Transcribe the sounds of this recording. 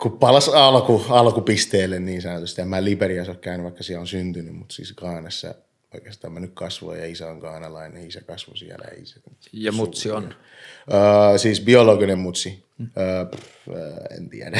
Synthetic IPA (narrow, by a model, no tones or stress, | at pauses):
kupɑlɑsɑlkuɑlkupist̪eːlːenniːnsɑnot̪ust̪iemæːliperiɑsokkæynyʋʋɑikːɑsiæonsynt̪ynymmut̪sḭːsɡ̥ɑːnɑsːɑ̰ | oikest̪ɑːmænykkɑsʋo̰jɑisæoŋɡ̥ɑːnɑlɑinisækɑsʋo̰siæ̰læ̰ḭsæk̪u | jɑmusion | əːsiːsbioloɡinemmut̪si | əːp | ə̰ːḛnt̪ḭædæ